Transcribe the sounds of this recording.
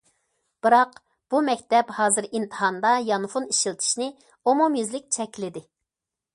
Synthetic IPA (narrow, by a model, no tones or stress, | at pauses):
b̥ɨɾɑq | b̥umɛkʲt̪ɛphɑːzɨɾint̪ʰɨ̥ɦɑnd̪ɑjɑnfuniʃilt̪ʰi̥ʃnɪ | omumjizlɪk̚ʲt͡ʃʰɛkʲʰlɪd̪ɪ